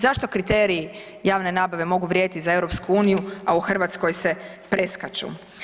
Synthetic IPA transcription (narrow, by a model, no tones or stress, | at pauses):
zaʃt̪o̞kɾit̪eːɾii | jaːʋne̞naːbaʋe̞mo̞ɡuʋɾjed̪it̪izaewɾo̞pskuuːnijuauxr̩ʋat̪sko̞jsepɾe̞skat͡ʃṵ